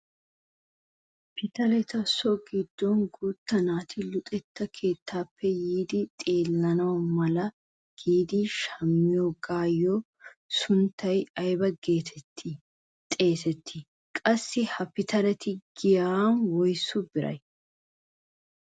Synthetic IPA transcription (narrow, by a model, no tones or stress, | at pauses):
pɪt̪ɐlɛt̪ɐsːɔɡɪd̪̥ːɔnɡuːt̪ːɐnaːt̪ɪlʊt̪ʼɛt̪ːɐkʰe̞ːt̪ʰːaːpʰːɛjiːd̪ɪt̪ʼe̞ːlːɐnɐwɐmɐlɐ | ɡ̥iːd̪ɪʃɐmːɪjɔɡaːjːɔ | sʊnt̪ːɐjɐjbɐɡeːt̪ʰɛ | t̪ʼeːt̪ɛt̪ʰːɪ | kʼɐsːɪhɐpɪt̪ʰɐlɛt̪ɪɡɪjanwɔjsʊbɪɾɐ̰j